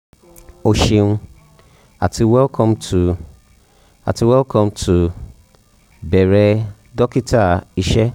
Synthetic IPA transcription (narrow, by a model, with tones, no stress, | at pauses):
o˨ʃĩ˨n˦ | a˨tʰi˨wɛ˦lkʰɔ̃˦mtʰu˨ | a̰˨tʰi˨wɛ˦lkʰɔ̃˦mtʰu˨ | bɛ˨ɾɛ˦ | dɔ˦ki˦tʰa˦˨i˨ʃɛ˦